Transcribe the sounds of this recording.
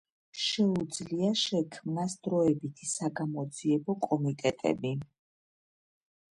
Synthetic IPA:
ʃɛud̪zliaʃɛkʰmnasd̪ɾɔɛbit̪ʰisaɡamɔd̪ziɛbɔkʼɔmit̪ʼɛt̪ʼɛ̰bi

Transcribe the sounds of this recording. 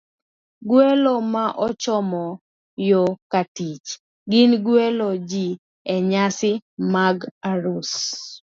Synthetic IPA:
ɡwelomaʔɔt͡ʃɔmɔ | jokatit͡ʃ | ɡɪnɡwelod͡ʒi | ɛɲasɪmaɡaɾus

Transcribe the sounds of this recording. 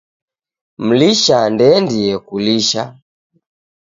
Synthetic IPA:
m̩liʃandɛndiɛkuliʃa

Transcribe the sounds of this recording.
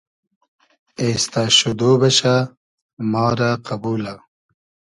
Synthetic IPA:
eːst̪aʃud̪oːbɐɕa | mɑːɾaqabuːla

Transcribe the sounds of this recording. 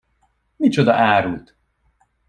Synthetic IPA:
nit͡ʃod̪ɒ̰ʔaːɾult̪

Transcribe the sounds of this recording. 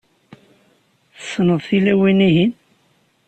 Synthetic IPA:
θə̥sːnəðˤθilæwiniɦin

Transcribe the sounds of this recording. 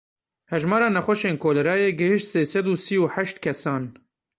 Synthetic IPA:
hɛʒmɑːɾɑːnɛxʷɔʃeːnkʰoːlɛɾɑːjeːɡɨhɨʃt̪seːsɛd̪uːsiːuːħæʃt̪kʰɛsɑːn

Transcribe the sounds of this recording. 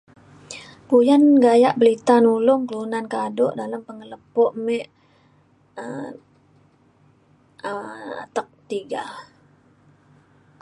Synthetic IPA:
pujanɡajaʔbəlit̪anulʊŋkəlunankadʊʔdalampəŋələpɔʔmɛʔ | ə | a̰t̪ək̚t̪iɡa̰

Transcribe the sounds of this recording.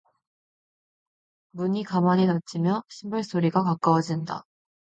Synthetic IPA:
bɯɲːikamaɲid̪at͡ɕ͈imjoɕʰimbɯɭsoɾʲiɡakak͈awad͡ʑind̪a̰

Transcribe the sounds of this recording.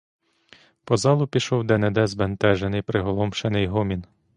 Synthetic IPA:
pɔzɑlˠʊpʲiʃɔwd̪ened̪ɛzbent̪ɛʒenɪjpɾɪɦɔlˠɔmʃenɪjɦɔmʲin

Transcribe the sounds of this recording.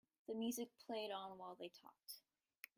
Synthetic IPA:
ðɨmjʉzɨk̚pʰl̥eɪɾn̩waɪlˠðeɪtʰɔ̰k̚t

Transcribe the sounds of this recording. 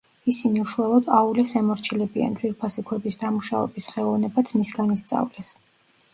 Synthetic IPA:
isiniuʃualˠɔd̪̥aulɛsɛmɔɾt͡ʃʰilɛbia̰nd̪zwiɾpʰasikʰwɛbisd̪amuʃavɛ̰bisχɛlˠɔvnɛbat̪sʰmisɡanist̪sʼa̰vlɛs

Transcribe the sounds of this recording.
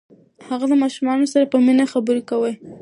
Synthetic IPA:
haɣalamɑʃumɑnosaɾapəminaxabəɾekawəj

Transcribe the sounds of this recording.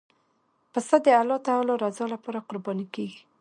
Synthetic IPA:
pəsad̪əalɑt̪aɑlɔɾazɑlapɑɾaqʊɾbɑnikeɡi

